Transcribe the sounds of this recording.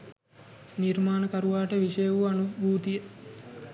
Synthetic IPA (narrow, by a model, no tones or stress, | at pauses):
nirmaːnəkaɾuʋaːʈəʋiʂəjəʋuanubʱuːt̪ijə